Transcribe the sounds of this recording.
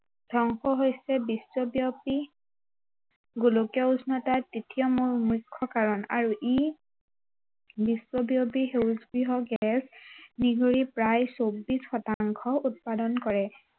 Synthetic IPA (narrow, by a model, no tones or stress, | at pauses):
dʱɔŋxɔɦojsɛbiswobiopi | ɡulokɔusnɔtatitʰijɔmuɹmukʰːɔkaɹɔna̰ɹuʔi | biswobiopiɦewzɡɹiɦɔɡɛsniɡʱoɹipɹajsobːisxɔtaŋkʰɔut̚padɔnkɔɹɛ